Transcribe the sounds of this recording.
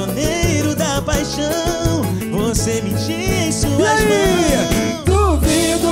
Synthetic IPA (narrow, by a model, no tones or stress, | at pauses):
onejɾʊd̪ɐpajʃɐ̃ | w̃ | vosemĩt͡ʃiẽj̃suzmɛɐ | d̪uvid̪ʊ